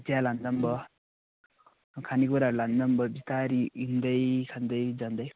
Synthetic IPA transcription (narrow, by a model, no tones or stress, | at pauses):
tjaland̪ʌmbʌ | kʰaniɡuɾaland̪ʌmbʌbit̪aɾiind̪ʌjkʰand̪ʌjd͡ʒand̪ʌj